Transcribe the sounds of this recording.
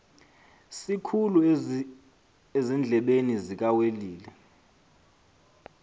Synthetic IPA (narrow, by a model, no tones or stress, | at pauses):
sikʰulu | ezind͡ɮʱɛɓenizik̬aweliːlɛ